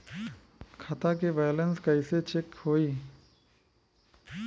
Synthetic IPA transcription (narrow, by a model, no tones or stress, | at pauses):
kʰɐt̪akeʋaːjlənskaɪset͡ʃʰɪkhoːiː